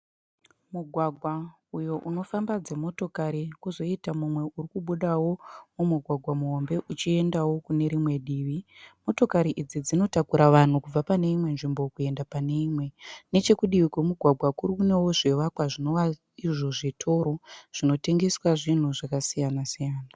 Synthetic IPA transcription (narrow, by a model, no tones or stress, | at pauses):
muɡʱwaɡʱwa | ujo̞ʔuno̞fambad͡ze̞mo̞to̞kaɾikuzo̞itamumwe̞ʔurikuɓuɗawo̞mumuɡʱwaɡʱwamuɦo̞mbe̞ʔut͡ʃie̞ndawo̞kune̞ɾimwe̞ɗiːʋimo̞to̞kaɾiʔid͡zid͡zino̞takuɾaʋan̤ukub͡vapane̞imwe̞nʐimbo̞kue̞ndapane̞imwe̞ne̞t͡ʃe̞kuɗiʋikwomuɡʱwaɡʱwakurikune̞wo̞ʐeʋakwaʐino̞ʋa | iʐo̞ʐitʰo̞ɾo̞ʐ̥ino̞te̞ŋɡe̞swaʐin̤uʐakasijanasijaːna